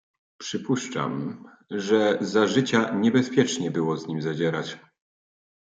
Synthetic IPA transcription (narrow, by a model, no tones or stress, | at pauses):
pʂɘpuʂt͡ʂa̰m | ʐɛzaʐɘt͡ɕaɲɛbɛspʲjɛt͡ʂɲɛbɘwɔzɲimʲzad͡ʑɛɾat͡ɕ